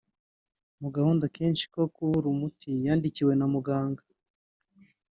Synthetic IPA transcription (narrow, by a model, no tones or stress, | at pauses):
muɡahuːndakʰeːnt͡ʃi̥ko̞kuuɾumutʰijaːndiciwe̞namuɡaːŋɡḁ